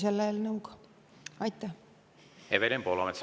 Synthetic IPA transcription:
selːeːlnɤwk | ɑjt̪ːˑæ | hevelʲempolɑmet̪s

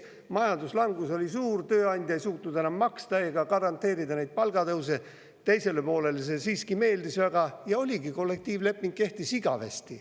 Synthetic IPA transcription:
mɑjɑnd̪uslɑŋɡ̥uso̞lʲisuːrt̪øːɑnʲd̪ʲjɑejsuːt̪nud̪enɑmːɑkst̪ɑeːɡ̥ɑkɑɾɑnt̪ˑːe̞ːɾid̪ɑnejd̪̚pɑlɡ̥ɑt̪ɤws̬e | t̪e̞jse̞lepo̞ːle̞lese̞siːskime̞ːld̪isvæɡ̥ɑjɑo̞lʲiɡiko̞lːe̞k̚t̪iːvle̞pːˑiŋɡ̥̚kːe̞ht̪isiɡ̥ɑ̰vḛst̪i

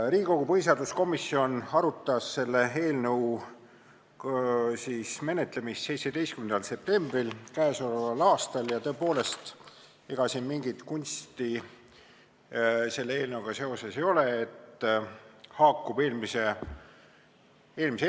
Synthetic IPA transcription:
riːko̞ɡ̥upɤjs̬ɑd̪̥usko̞misːio̞nɑɾut̪ːˑɑsːe̞lːe̞e̞ːlnəw | siːsme̞net̪ˑle̞mist̪se̞jt̪sed̪̥e̞jst̪kymend̪ɑlse̞p̚t̪e̞mb̥rilkæesolevɑlɑːst̪ɑljɑt̪ɤe̞po̞ːle̞st̪ | eɡ̥ɑsinmiŋɡ̥it̪kunʲst̪i | se̞lːee̞ːlnəuɡ̥ɑse̞o̞se̞sejo̞le̞et̪ːˑ | hɑːkːˑube̞ːlmise | eːlmise

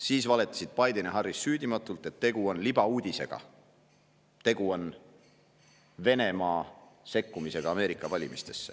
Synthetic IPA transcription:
siːsvɑle̞t̪ːˑɑ̥sid̪̥̚pɑjd̪eneɦɑrːisːyːd̪imɑt̪ːˑult̪e̞t̪ːe̞ɡ̥uo̞nlib̥ɑuːd̪̥ʲise̞̰ɡ̥ɑ̰ | t̪e̞ɡ̥uo̞n | ve̞ne̞mɑːse̞kːumise̞ɡ̥ɑɑːme̞ːɾikːˑɑvɑlʲimist̪e̞sːe̞̥

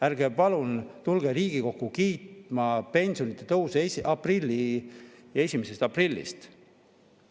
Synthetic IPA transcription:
æɾɡ̥epɑlunt̪ulɡ̥e̞ɾiːɡ̥iko̞kːukiːt̪mɑpe̞nʲsio̞nit̪ːˑe̞t̪ɤusɑprilʲːi | e̞sʲimese̞st̪ɑprilʲːḭst̪

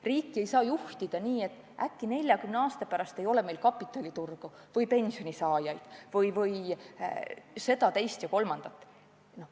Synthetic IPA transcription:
riːkːie̞jsɑːjuht̪id̪̥ɑniːe̞t̪ːˑ | ʔækːine̞lʲjɑkymneɑːst̪ɑpæɾɑst̪e̞jo̞le̞me̞jlkɑpːˑit̪ːˑɑlʲit̪urɡ̥u | vɯjpe̞nʲsio̞nʲisɑːjɑjd̪̥vɯjvɯj | se̞d̪̥ɑt̪e̞jst̪jɑko̞lmɑnd̪̥ɑt̪ːˑ | no

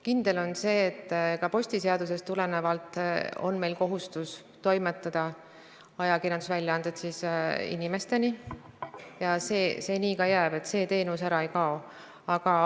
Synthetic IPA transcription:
kind̪̥e̞lo̞nse̞ːt̪ːkɑpo̞sʲt̪ise̞ɑd̪̥us̬e̞st̪ːule̞nevɑlt̪ːˑo̞̰nme̞jlko̞ɦust̪us | t̪o̞jmet̪ːˑɑd̪̥ɑ | ɑjɑkiɾjɑnd̪usvælʲjɑɑnd̪̥et̪sisḭnime̞st̪e̞ni | jɑseːse̞ːniːkɑjæːb̥e̞t̪se̞ːt̪e̞ːnusæɾɑe̞jkɑo | ɑɡ̥ɑ

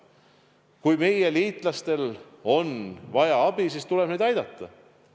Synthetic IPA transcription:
kujme̞jeliːt̪ˑlɑst̪e̞lo̞nvɑjɑɑb̥isiːst̪ule̞b̥nejd̪ɑjd̪̥ɑt̪ˑːɑ

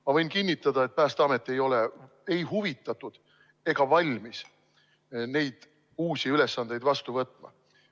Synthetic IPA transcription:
mɑvɤ̞jnkinʲːit̪ːˑɑd̪̥ɑe̞t̪̚pæːst̪ɑme̞t̪ːˑe̞jo̞le̞ | e̞jɦuvit̪ːˑɑt̪ːˑud̪̥ | e̞ɡ̥ɑvɑlʲmis | ne̞jd̪̥ | uːsʲiyle̞sːɑnd̪̥e̞jd̪vɑst̪uvɤt̪ːˑmɑ̰

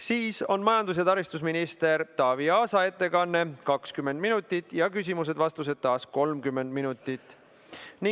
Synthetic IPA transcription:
siːso̞nmɑjɑnd̪us̬jɑt̪ɑɾist̪usminist̪e̞ɾt̪ɑːviɑːsɑe̞t̪ːe̞kɑnːe̞kɑkskymːe̞nd̪̚minut̪ːˑit̪ːˑjɑkys̬ʲimus̬ed̪vɑst̪us̬e̞d̪̥̚t̪ːɑːsko̞lmkymːe̞nd̪minut̪ːˑit̪ːˑ | ni

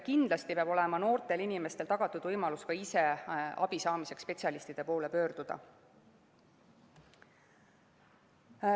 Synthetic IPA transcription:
kind̪lɑst̪ipeɑbo̞le̞mɑno̞ːrt̪e̞linime̞st̪elt̪ɑɡ̥ɑt̪ːˑud̪̥vɤjmɑluskɑise̞ɑ̰b̥isɑːmise̞kspe̞t̪ʲsʲiɑlist̪id̪̥e̞po̞ːle̞pø̞ːɾd̪̥ud̪̥ɑ̰

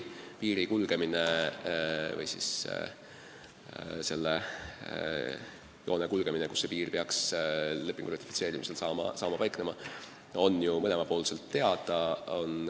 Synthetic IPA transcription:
piːɾikulɡ̥e̞mine | vɤ̰jsḭs | se̞lːe | jo̞ːnekulɡ̥e̞mine̞ku̥sːe̞piːrpeɑksle̞pːˑiŋɡ̥urɑt̪ʲːˑifi̥se̞ːɾimise̞lsɑːmɑ̰sɑːmɑpɑjkne̞mɑ | o̞njumɤne̞mɑpo̞ːlse̞lt̪ːe̞ɑd̪̥ɑo̞n

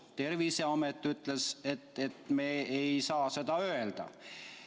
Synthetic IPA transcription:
t̪e̞rviseɑmet̪ːˑyt̪ːˑleset̪ːet̪meːejsɑːse̞d̪̥ɑøeld̪̥ɑ̰

